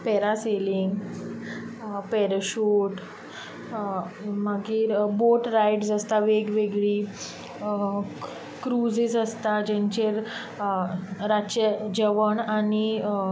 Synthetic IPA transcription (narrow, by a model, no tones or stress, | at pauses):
pɛɾaseliŋɡ | pɛɾɕuːʈ | məɡiːɾboʈɾajʈsəst̪aʋeɡʋeɡɭiː | kɾud͡zid͡zəst̪ad͡ʑẽɲt͡ɕeɾ | ɾat͡ɕəd͡ʑəʋəɳani